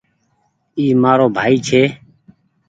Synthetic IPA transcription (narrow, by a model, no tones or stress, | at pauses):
iːmaːɾoːbʱaːiːt͡ʃʰeː